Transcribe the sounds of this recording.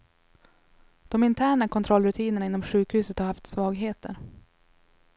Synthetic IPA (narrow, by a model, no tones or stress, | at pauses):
d̪̥ɔmɪnt̪ʰæːɳakʰɔnt̪ʰɾɔlːɾɵt̪ʰiːnəɳaɪnːɔmɧʉ̟ːkhʉ̟ːsət̪haɾhaft̪svɑːɡɦeːt̪ə̰ɾ